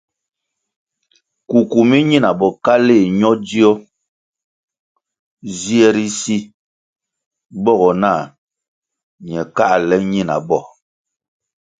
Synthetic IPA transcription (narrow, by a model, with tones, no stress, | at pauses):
ku˨ku˨mi˦ɲi˦na˨bɔ˨ka˦le˦˨ɲɔ˦di˦ɔ˦ | zi˦ɛ˦ɾi˦si˦ | bɔ˦˨ɣɔ˨na˦˨ | ɲɛ˨ka˦ʔlɛ˦ɲi˦˨na̰˨bɔ˦˨